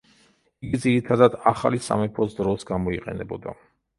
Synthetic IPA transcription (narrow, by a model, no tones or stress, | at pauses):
iɡid̪ziɾit̪ʰad̪ad̪aχa̰lisa̰mɛpʰɔsd̪ɾɔsɡamɔiqʼɛ̰nɛbɔd̪a̰